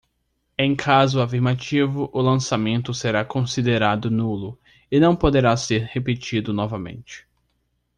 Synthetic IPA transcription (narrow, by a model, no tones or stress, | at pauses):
ẽj̃kʰazʊafiɾmat͡ʃivʊʔʊlɐ̃samẽnt̪ʊseɾakõsid̪eɾad̪ʊnulʊ | ɪnɐ̃w̃pod̪eɾaseɾhepet͡ʃid̪ʊnɔvɐmḛ̃nt͡ʃɪ̥